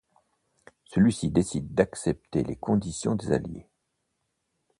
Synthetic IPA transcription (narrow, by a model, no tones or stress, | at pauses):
səlɥisid̪esid̪ːaksɛp̚t̪elekɔ̃d̪isjɔ̰̃d̪eza̰ljḛ